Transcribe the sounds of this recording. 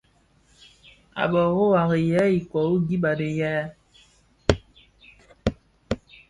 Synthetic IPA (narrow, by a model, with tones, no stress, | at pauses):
a̰˨bɔ˨ɣo˦wa˨ɣe˨jɛ˦i˨kwɔ˨u˦ɡi˦ba˨de˨jɛː˦